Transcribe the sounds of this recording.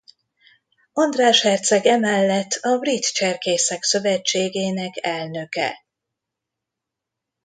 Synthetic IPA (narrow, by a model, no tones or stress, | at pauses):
ond̪raːʃhɛrt̪sɛɡɛmɛlːɛt̪ʰːɒbrit̪t͡ʃɛrkeːsɛksø̞vɛt͡ʃːeːɡeːnɛkɛlnø̞kɛ̰